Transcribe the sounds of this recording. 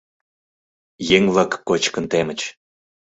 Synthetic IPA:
jeŋllɑkːot͡ɕkənt̪emə̆t͡ɕ

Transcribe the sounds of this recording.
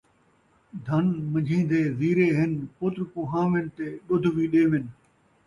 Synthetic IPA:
d̪ʱɐnmə̃d͡ʒʱĩːn̆d̪eːziːɾeːɦɪnpʊt̪ɾkõːɦãːʋɪnɪt̪eːɗʊd̪ʱʋiːɗeːʋɪn

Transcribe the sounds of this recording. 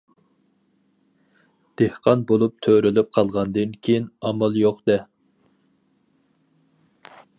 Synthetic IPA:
d̪̥ehqʰɑnbolˠup̚t̪ʰøɾylyp̚qʰɑlˠʁɑnd̪ɨnkʲʰejinɑmɑlˠjoqd̪ɛ

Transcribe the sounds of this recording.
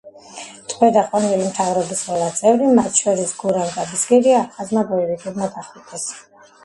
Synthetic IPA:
t̪ʼqʼwɛd̪aqʼwanɛlimt̪ʰavɾɔbisʁɛlat̪sʼɛvɾimat̪ʰʃɔɾisɡuɾamɡʼab̪isɡɛɾiapχazmabɔivik̪ʼɛd̪mad̪aχɛk̪ʼɛs

